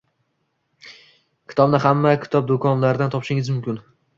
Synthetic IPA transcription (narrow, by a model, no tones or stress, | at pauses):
kʲʰɪ̥t̪ʰɒbnɪɦamːakʲʰɪ̥t̪ʰɒb̚d̪okʰɒnlaɾɪd̪ant̪ʰɒpʃɪŋɪzmʊmkʲɪn